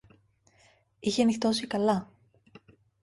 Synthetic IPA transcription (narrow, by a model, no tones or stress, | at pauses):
içeɐnixt̪o̞sikɐlɐ